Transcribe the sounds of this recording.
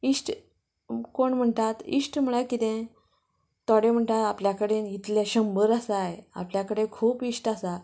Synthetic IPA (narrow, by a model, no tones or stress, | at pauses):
isʈ | koɳm̤əɳt̪at̪ḭʂʈm̤əɭakit̪ẽ | t̪ɔɽem̤əɳʈ̪at̪apljakəɽenit̪ljaɕəmbəɾasaja̰pljakəɽekʰuːpisʈasa